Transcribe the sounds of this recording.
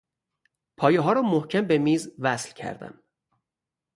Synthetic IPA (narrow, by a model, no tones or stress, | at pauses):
pʰɒːjeɦɒːɾɒːmohcʰæmbemiːzvæslcʰæ̰ɾd̪æ̰m